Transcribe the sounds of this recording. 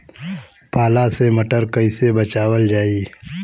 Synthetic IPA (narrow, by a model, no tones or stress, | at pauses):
paːlasemɐʈəɾkɐisebɐt͡ʃaːwəld͡ʒaːi